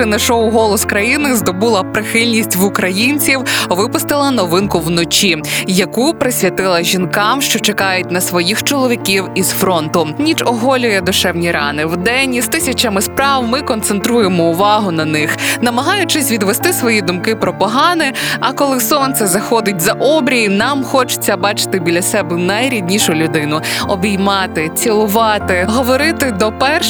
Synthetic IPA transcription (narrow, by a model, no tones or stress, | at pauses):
ɪnɐʃɔwɦɔlˠɔskɾɐjinɪzd̪ɔbulˠɐpɾɪxɪlʲnʲisʲtʲʋʊkɾɐjinʲt͡sʲiwʋɪpʊst̪ɪlˠɐnɔʋɪnkʊwnɔt͡ʃijɐkupɾɪsʲʋʲɐt̪ɪlˠɐʒʲinkɑmʃt͡ʃɔt͡ʃekɑjʊt̚ʲnɐsʋɔjixt͡ʃɔlˠɔʋʲikʲiwiz̥fɾɔnt̪ʊnʲit͡ʃɔɦɔlʲʊjɛd̪ʊʃɛwnʲiɾɑ̰nɪwd̪ɛnʲizt̪ɪsʲɐt͡ʃɐmɪspɾɑwmɪkɔnt̪sent̪ɾujemɔʊʋɑɦʊnɐnɪxnɐmɐɦɑjʊt͡ʃɪsʲʋʲid̪ʋest̪ɪsʋɔjid̪ʊmkɪpɾɔpɔɦɑnɪɐkɔlˠɪsɔnt̪sɛzɐxɔd̪ɪt̚ʲzɐʔɔbɾʲijinɑmxɔt͡ʃɪ̥t͡sʲːɐbɑt͡ʃɪ̥t̪ɪbʲilʲɐsɛbɛnɐjɾʲid̪ʲnʲiʃʊlʲʊd̪ɪnʊɔbʲijmɑt̪ɪt͡sʲilˠʊʋɑt̪ɪɦɔʋɔɾɪt̪ɪd̪ɔpɛrʃ